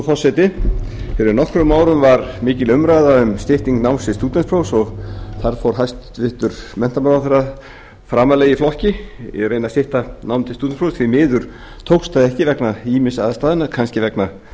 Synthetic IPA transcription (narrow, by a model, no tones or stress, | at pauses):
fɔ̥sːɛjt̪ɪfɪɾɪɾnɔhkɾʏmːaːwɾʏmvaɾmɪːcɪlʏmɾajðaʏmst̪ɪht̪iŋknawnsɪst̪uːt̪ɛnspʰɾowsɔɣθaɾ̥fowɾ̥ɦajst̪vɪht̪ʏɾ̥mɛn̥t̪amaɾaθɛrːa | fɾaːmaleːjɪflɔhcɪ̰rejnast̪ɪht̪anawmt̪ʰɪst̪uːt̪npʰowst̪θʰɪmɪːðʏɾ̥ | t̪ʰowkst̪aðɪɛhcɪvɛknaiːmɪsaðast̪aːðɪnakʰanscɪvɛkna